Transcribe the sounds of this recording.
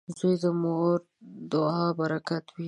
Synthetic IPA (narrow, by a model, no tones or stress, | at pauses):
zujd̪əmoɾ | d̪oɑbaɾakat̪wi